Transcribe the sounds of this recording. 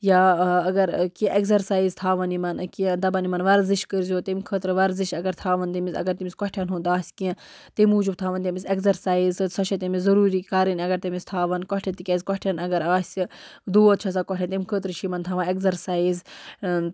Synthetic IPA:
jaːɐɡɐɾkĩʔekzɐɾsaːizt̪ʰaːʋɐnimɐnkĩd̪ɐbɐnimɐnʋɐɾziʃkəɾzʲoːt̪imkʰət̪ɾɨʋɐɾziʃɐɡɐɾt̪ʰaːʋɐnt̪imisɐ̰ɡɐɾt̪imiskɔʈʰjanɦũːnd̪aːsʲkiɐ̃ | t̪imuːd͡ʒub̚t̪ʰaːʋɐnt̪ʲemisekzɐɾsaːizsɐʃɐt̪imiszɐɾuːɾiːkaːɾinʲɐɡɐɾt̪ɐmist̪ʰaːʋɐnkɔʈʰɐ̃t̪ikʲɐzkɔʈʰʲɐnɐɡɐɾaːsʲid̪uːɐt̪̚t͡ʃʰɐs̬akʷɔʈʰʲɐ̃nt̪imkʰəːt̪ɾɨʃimɐnt̪ʰaːʋɐnekzɐɾsaːiz

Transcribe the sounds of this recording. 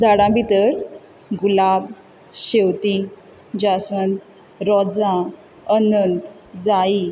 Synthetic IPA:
d͡zaɽãbʱit̪əɾ | ɡulab̚ | ɕewt̪i | d͡ʑasʋən | ɾɔd͡zã | ənənt̪ | d͡zai

